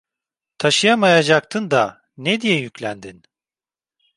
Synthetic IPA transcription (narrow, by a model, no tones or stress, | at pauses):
t̪ʰaʃɯjamajad͡ʒak̚t̪ʰɯnd̪a | ned̪ijɛjycʲlʲænd̪in